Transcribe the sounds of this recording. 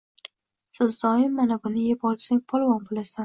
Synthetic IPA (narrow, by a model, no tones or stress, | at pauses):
sɪzd̪ɒɪmːanabʊnɪjepʰɒlˠsaŋpʰɒlˠvɒnbolasan